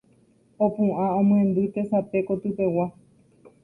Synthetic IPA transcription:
opɨ̃ʔãõmw̃ẽnd̪ɨt̪e̞sape̞ko̞t̪ɨpe̞wa

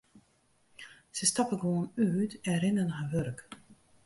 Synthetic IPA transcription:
səstɑpəɡʋoːənyːtɛnrɪnənɦaːʋørk

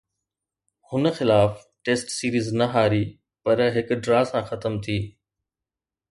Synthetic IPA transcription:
hʊnə̆xɪlaːf | ʈeːsʈsiːɾiːznɐɦaːɾiː | pɐɾɦɪkɖɾaːsãxɐt̪əmt̪ʰiː

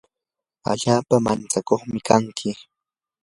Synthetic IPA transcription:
a̰ʎaːpamant͡sakoχmɪkaŋkʰɪ

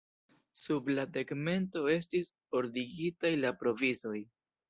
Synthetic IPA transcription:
subladeɡme̞nto̞e̞stis | o̞ɾdiɡitajlapɾo̞vizo̞j

